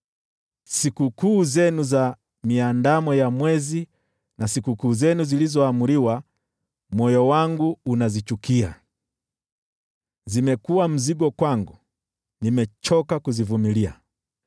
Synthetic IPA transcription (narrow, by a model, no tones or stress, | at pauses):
sikukuːzɛnuza | miandamɔjamwɛzi | nasikukuːzɛnuzilizɔamuliwa | mɔjɔwaŋɡuːnazit͡ʃukia̰ | zimɛkuwam̩ziɡɔkwaŋɡu | nimɛt͡ʃɔkakuzivumilia̰